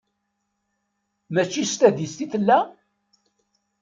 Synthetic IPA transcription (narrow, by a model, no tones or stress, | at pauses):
mæt͡ʃːist̪æðist̪iθəlːæ